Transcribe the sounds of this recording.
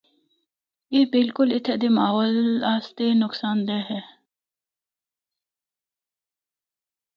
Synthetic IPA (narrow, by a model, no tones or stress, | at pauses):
ebɪlkʊlɪt̪ʰɛd̪emaːɦoːlaːst̪enʊksaːnd̪ɛɦɛ